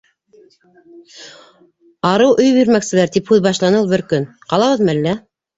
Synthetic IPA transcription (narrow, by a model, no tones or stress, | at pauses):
ɑɾɤwʔɵ̆jbiɾmæksɘ̆læɾt̪iphʉðbɑʃlˠɑnɤlˠbɘ̆ɾkɵn | qɑlˠɑβɤðmælːæ